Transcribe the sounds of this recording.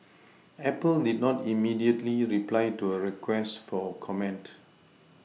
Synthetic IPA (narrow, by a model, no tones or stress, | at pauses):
ɛpəldid̚nɔtimidiətliɹiplajtuəɹɛkʰwɛstfɔkʰɔmɛ̃nt